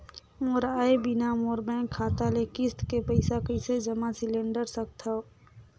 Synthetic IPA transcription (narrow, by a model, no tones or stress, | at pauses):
moːɾaːebɪnamoːɾbɛ̃ːkʰːaːt̪alekɪst̪kepəɪsakəɪsed͡ʒəmasɪlẽɳɖəɾsək̚t̪ʰa